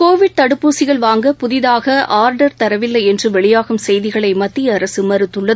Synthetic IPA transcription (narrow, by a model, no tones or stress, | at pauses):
koːʋɪɽ̚t̪ɐɽɯpːuːsɪɣɐɭʋaːŋɡɐpʊðɪðaːɣɐʔaːɾɖɐɾt̪ɐɾɐʋɪlːɐɪɛndrɯʋɛɭɪjaːɣɯmsɛjðɪɣɐɭɐɪmɐt̪ːiɐɐɾɐsɯmɐɾɯt̪ːɯɭːɐð